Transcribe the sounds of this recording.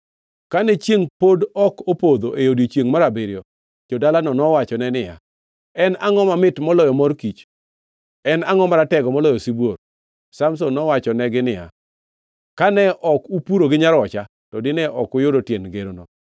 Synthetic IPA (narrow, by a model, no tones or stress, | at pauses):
kanɛt͡ʃjeŋpodɔkopod̪oʔejodot͡ʃeŋmaɾabeɾɪjɔ | d͡ʒodalanɔnɔwat͡ʃɔnɛnɪja̰ | ɛnaŋɔmamɪtmɔlɔjɔmɔrkit͡ʃ | ɛnaŋɔmaɾatɛɡɔmɔlɔjɔsibwor | samsonːɔwat͡ʃɔnɛɡɪnɪja̰ | kanɛʔɔkupuɾoɡɪɲaɾɔt͡ʃa | tɔdɪnɛʔɔkʊjʊdotjenɡeɾonɔ